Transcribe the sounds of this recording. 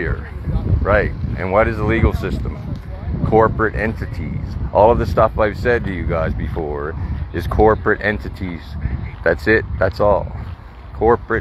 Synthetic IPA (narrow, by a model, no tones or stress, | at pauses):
ə̰˞ | ɹaɪt̚ʔɨ̰̃nwʌɾɨzəliɡl̩ˠsɪstə̃m | kʰɔɹpɹɨɾʔɛ̰̃ntɨɾḭz̥ʔɔlˠʌvðɨstʌfaɪv̥sɛd̚tɨjɨɡaɪzbɨfɔɹɨz̥kʰɔɹpɹɨɾʔɛ̃ntɨɾiz̥ðætsɪt̪̚ðætsɔ̰lˠ | kʰɔɹpɹɨ